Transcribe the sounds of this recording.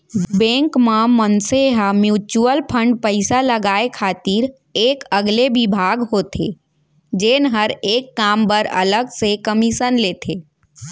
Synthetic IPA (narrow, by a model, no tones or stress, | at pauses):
bɛ̃ːŋkmãmənseɦamjuːt͡ʃuəlpʰə̃ɳɖpəɪsaləɡaːekʰaːt̪iɾ | eːkəɡlebɪbʱaːɡɦoːt̪ʰḛː | d͡ʒeːnɦəɾeːkːaːmbəɾɐ̰ləɡsekəmiʃənleːt̪ʰeː